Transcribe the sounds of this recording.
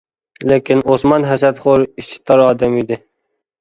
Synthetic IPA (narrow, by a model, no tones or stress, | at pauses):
lekʲinosmɑnɦæsat̪χoɾit͡ʃʰi̥t̪ɑɾɑːd̪amid̪ɪ